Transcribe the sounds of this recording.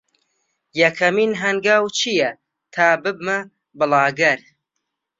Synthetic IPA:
jɐkʰɐmiːnɦɐŋɡaːwt͡ʃʰijɐ | t̪ʰaːbɨbmɐ | bɨlˠɑːɡɐɾ

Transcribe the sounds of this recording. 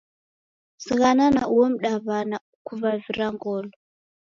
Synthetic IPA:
siɣananawom̩ɗaβana | kuvaviɾaŋɡɔːlɔ

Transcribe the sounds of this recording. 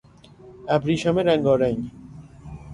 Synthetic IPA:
æbɾiːʃɔmeɾæŋɡɒːɾæŋɡ

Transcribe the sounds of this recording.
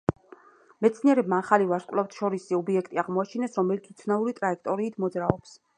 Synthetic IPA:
mɛt̪sʰniɛɾɛbmaːχalivaɾskʼlˠaft̪ʰʃɔɾisiɔbiɛkʰt̪ʼiaʁmɔat͡ʃʰinɛsɾɔmɛlik̪ʰit̪sʰvnauɾit̪ʼɾaɛkʰt̪ʼɔɾiːt̪ʰmɔd̪zɾaɔps

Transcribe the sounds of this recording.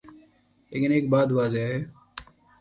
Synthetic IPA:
lḛːkɪneːk̚baːd̪ʋaːzeːaɦɛː

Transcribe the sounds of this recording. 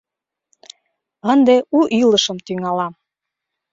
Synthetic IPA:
ənd̪euʔiləʃəmt̪yŋɑlɑm

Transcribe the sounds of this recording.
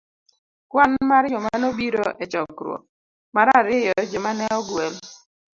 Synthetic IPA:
kwanmaɾjɔmanobiɾoɛt͡ʃɔkɾwɔ̰ | maɾaɾɪjɔd͡ʒɔmanɛɔɡwel

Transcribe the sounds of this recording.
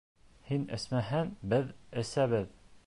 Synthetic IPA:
hinɘ̰̆smæɦænbɘðɘ̆sæβɘð

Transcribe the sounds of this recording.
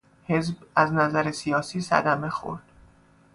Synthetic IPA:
he̞zbæznæzæɾesijɒːsiːsæ̰d̪æme̞xo̰ɾd̪̥

